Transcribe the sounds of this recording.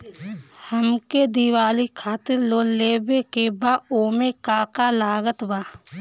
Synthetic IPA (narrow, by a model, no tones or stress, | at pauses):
həmked̪iwaːlikʰaːt̪ɪɾloːlːeːbekebaːoːmekaːkalaːɡət̪baː